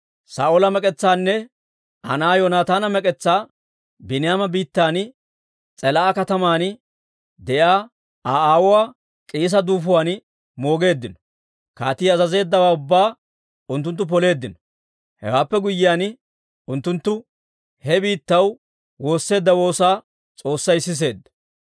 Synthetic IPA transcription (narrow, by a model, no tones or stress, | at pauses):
sa̰ːʔolɐmɛkʼɛt͡sːaːnːɛ | ʔɐ̰naːjɔnaːt̪aːnɐmɛkʼɛt͡sːaː | bɪnɪjaːmɐbiːt̪ːaːn | t͡sʼɛlaːkɐt̪ɐmaːn | d̪ɛʔaː | aːaːwʊwaː | kʼiːs̬ɐd̪uːfʊwaːn | mo̞ːɡe̞ːd̪ːɪnɔ̥ | ka̰ːt̪iːɐzɐze̞ːd̪ːɐwaːʊbːaː | ʊnt̪ːʊnt̪̬ːʊp̬ɔle̞ːd̪ːɪnɔ̥ | hɛ̰waːpːɛɡʊjːɪjaːn | ʊnt̪ːʊnt̪ːʊ | hɛbiːt̪ːɐw | wo̞ːsːe̞ːd̪ːɐwo̞ːsaː | t͡sʼo̞ːsːɐjsɪs̬e̞ːd̪ːɐ̥